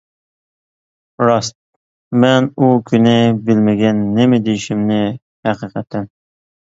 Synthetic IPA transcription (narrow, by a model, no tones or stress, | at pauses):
ɾɑst̪̚ | mɛnukʲʰynɪbɪlmɪɡʲɛnːɪmɪd̪ejiʃɪmnɪ | hæqɨqʰæt̪ʰːɛn